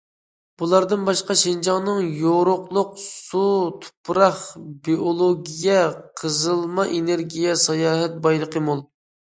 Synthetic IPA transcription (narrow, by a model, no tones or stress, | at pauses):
b̥ulˠɑɾd̪ɨnbɑʃqɑʃind͡ʒɑŋnɨŋjoɾʊqlˠʊqsut̪ʰu̥pɾɑχbiolˠoɡʲijɛqʰəzɨlˠmɑʔeneɾɡʲijɛsɑjɑːɦɛt̪̚bɑjlˠəqəmolˠ